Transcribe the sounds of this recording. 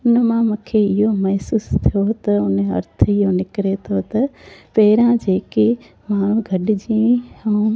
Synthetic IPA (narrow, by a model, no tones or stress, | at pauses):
ʊnəmãmʊ̃kʰeɪɦomɐɦsuːst̪ʰijot̪ɐʊnəɐ̰ɾt̪ʰəɪɦonɪkɾet̪ʰot̪ɐpɐɦɪɾãd͡ʑeːke | maːɽ̤ũɡʱɐɗɪd͡ʑĩɐũ